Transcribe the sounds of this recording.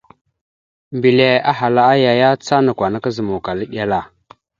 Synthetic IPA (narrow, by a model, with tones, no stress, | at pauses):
mbi˨le˨a˦ɦa˨la˦a˦ja˨ja˦t͡sa˦na˨kʷwa˨na˦ka˦zə˨mu˨ka˨lə˦ɗʲa˦la˦˨